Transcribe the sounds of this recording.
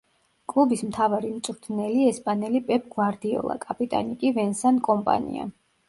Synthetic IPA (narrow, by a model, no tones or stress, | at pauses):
kʼlˠubismt̪ʰavaɾimt̪sʼɾt̪ʰnɛliɛspʼanɛlipʼɛp̚ʰʼɡwaɾd̪iɔ̰lˠa̰kʼapʼit̪ʼa̰nikʼivɛnsankʼɔmpʼa̰nḭa̰